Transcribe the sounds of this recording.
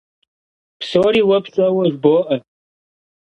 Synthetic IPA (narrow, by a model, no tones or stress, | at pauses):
psoːɾiːwɐpsʼɐwɐʒboːʔɐ